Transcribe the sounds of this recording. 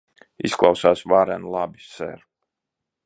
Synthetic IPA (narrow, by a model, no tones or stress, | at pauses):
ḭsklˠawsaːsvaɾɛnlˠabissɛ̰ɾ